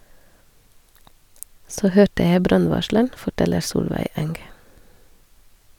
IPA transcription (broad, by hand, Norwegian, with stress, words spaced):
ˈsoː ˈhøːʈə ˈjæɪ ˈbɾɑnˌʋɑʃɭəɳ fɔˈʈɛləɾ ˈsuːlʋæɪ ˈɛŋɡ